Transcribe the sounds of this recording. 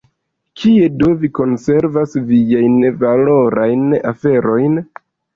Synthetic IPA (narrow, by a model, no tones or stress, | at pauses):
kʰie̞do̞viko̞nse̞ɾvasviajnvalo̞ɾajna̰fe̞ɾo̞jn